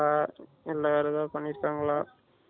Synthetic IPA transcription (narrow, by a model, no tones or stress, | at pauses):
aː | ɛlːɐɐɾɐðãːpɐɳːɪɾɯkːaːŋɡɐɭaː